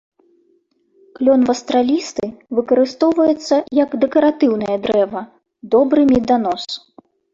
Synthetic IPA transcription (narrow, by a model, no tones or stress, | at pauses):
klʲɔnvɐst̪ɾalʲist̪ɨvɨkɐɾɨst̪ɔwvɐjɛt̪sːɐjɐɡd̪ɛkɐɾat̪ɨwnɐjɐd̪ɾɛvɐ | d̪ɔbɾɨmʲid̪an̪ɔs